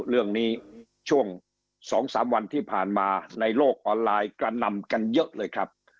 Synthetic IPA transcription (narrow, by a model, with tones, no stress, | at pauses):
ɾɯ˥˩əŋniː˦˥ | t͡ɕʰu˥˩əŋ | sɔː˩˦ŋsaː˩˦mwa˧nt̪ʰiː˥˩pʰaː˨˩nmaː˧na˧jloː˥˩k̚ʔɔː˧nlaː˧jkɾa˧na˧mka˧njɤ˦˥ʔlɤː˧jkʰɾa˦˥p̚